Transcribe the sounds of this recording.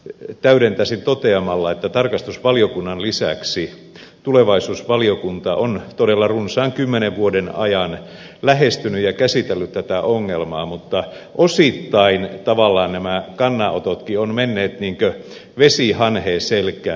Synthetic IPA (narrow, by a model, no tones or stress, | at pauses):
t̪æyɾent̪æsint̪ot̪eɑmɑlːɑet̪ːæt̪ɑrkɑst̪usʋɑliokunːɑnlisæ̰ksi | t̪uleʋɑisuːsʋɑliokunt̪ɑʔont̪odelːɑrunsɑːŋkymːeneʋʋuodenɑ̰jɑn | læhest̪ynyjɑkæsit̪elːyt̪tæt̪æʔoŋːelmɑːmut̪ːɑ | ʔosit̪ːɑint̪ɑʋɑlːɑːnnæmækɑnːɑo̰t̪ot̪kionmenːeːt̪niːŋkø | ʋesihɑnheːselkæː